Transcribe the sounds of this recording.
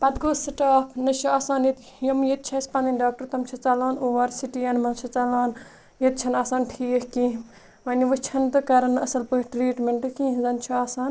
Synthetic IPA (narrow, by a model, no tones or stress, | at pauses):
pɐt̪ɡoːsiʈaːpʰnɐt͡ʃʰuaːsaːnjit̪ | jɐmjet̪̚t͡ʃʰɐspɐnd̪ɐnʲɖaːk̚ʈɐɾt̪ɐmt͡ʃʰɐt͡sɐlaːnoːʋɐɾsiʈijɐnmɐnt͡ʃʰɐt͡sɐlaːn | jet̪̚t͡ʃʰɐnaːsaːnʈʰiːkkĩːɦ | ʋɐniʋɨt͡ʃʰɐnt̪ɨkɐɾɐnɐsɐlpɨʈɾiːʈmʲeɳʈɨkĩːɦzɐnt͡ʃʰiaːsaːn